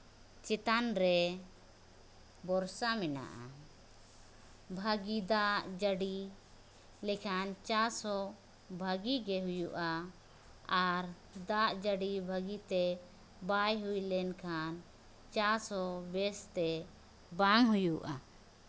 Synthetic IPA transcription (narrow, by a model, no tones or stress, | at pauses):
t͡ʃɛt̪anɾɛ | bɔɾsamɛna̰ʔa̰ | bʱaɡid̪aʔd͡ʒəɖi | lɛkʰant͡ʃaɾsɔ | bʱəɡiɡɛɦujuʔa | aɾ | d̪aʔd͡ʒəɖibʱaɡit̪ɛ | bajɦujlɛnkʰan | t͡ʃaɾsɔbɛst̪ɛ | baŋɦujuʔa